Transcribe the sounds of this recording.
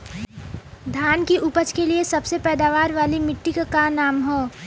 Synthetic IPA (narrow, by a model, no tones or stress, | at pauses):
d̪ʱaːnkiʔʊpət͡ʃkeliesɐbsepɛːd̪aːʋaːɾʋaːlimɪʈːikkanaːmɦoː